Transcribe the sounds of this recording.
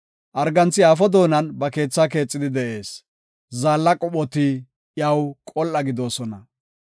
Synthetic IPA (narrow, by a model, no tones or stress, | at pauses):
ʔɐɾɡɐnt͡sːɪjaːfɔd̪o̞ːnɐnbɐke̞ːt͡sːaːk̬e̞ːt͡sʼːɪd̪ɪd̪ɛʔe̞ːs | zaːlːɐkʼɔɓɔt̪i | jɐwkʼɔlʔɐɡɪd̪o̞ːsɔnɐ